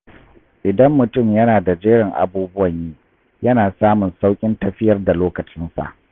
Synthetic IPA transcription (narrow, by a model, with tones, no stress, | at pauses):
ʔɪ˨dɐ˦mːʊ˨tʊ˦˨mjɐ˦naː˨da˨d͡ʒeː˦ɽɪ˨ŋʔa̰˨buː˦bʊ˦wɐ˨ɲjiː˦ | jɐ˦naː˨saː˦mʊ˨nsa˦wkʲʼɪ˦ntɐ˦ɸɪ˦jɐ˦rda˨loː˦kɐ˨t͡ʃɪ˦nsa̰˨ʔ